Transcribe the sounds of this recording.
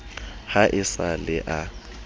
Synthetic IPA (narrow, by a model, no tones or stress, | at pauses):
haʔɪsalɪʔa